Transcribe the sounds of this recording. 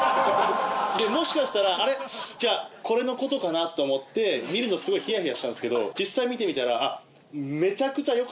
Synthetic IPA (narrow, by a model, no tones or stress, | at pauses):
d̪e̞mo̞ɕi̥kaɕi̥t̪aɾaːɾe̞d͡ʑaːko̞ɾe̞no̞ko̞t̪o̞kanat̪ːo̞ːmo̞t̪ːe̞mʲiɾɯ̟nosɨɡo̞içijaçijaɕi̥t̪ãnesɨke̞d̪o̞d͡ʑisːaimʲit̪e̞mʲit̪aɾaː | me̞t͡ɕakɯ̟t͡ɕajo̞k